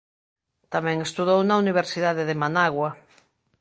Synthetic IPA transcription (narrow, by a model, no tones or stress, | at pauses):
t̪amɛ̃ŋest̪uðownauniβ̞eɾsiðaðeðemanaɣwa